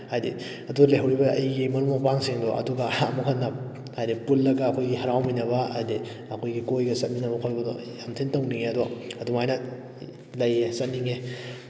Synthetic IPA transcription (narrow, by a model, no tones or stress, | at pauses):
hajdḭ | ɐduɡlejɦɐwɾibɐɐjɡimɐnumopaŋsiŋdɔʔɐ̰duɡɐːmukʰɐnːɐ | hajdipulːɐɡɐːkʰojɡihɐɾawminɐβɐa̰jde | ɐkʰojɡikojɡɐsɐt̚minɐbɐkʰojbɐdɔ̰ | jamtʰintowniŋeɐduaɐdumajnɐ | lɐjesɐt̚niŋe